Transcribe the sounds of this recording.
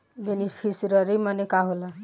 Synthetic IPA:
benipʰisɾɔɾimanekaɦola

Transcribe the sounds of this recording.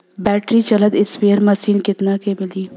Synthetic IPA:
bɛːʈɾit͡ʃɐləd̪ɪsʋeːəɾmɐsiːnkɪt̪nakemɪliː

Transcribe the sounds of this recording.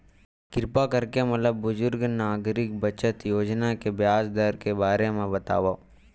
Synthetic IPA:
kɪɾpakəɾkemɐt̪ləbːʊzʊɾɡnaːɡɾɪk̚bət͡ʃət̪joːd͡ʒnakebjaːsd̪əɾkebaːɾemẽbɐt̪a̰ːʋa

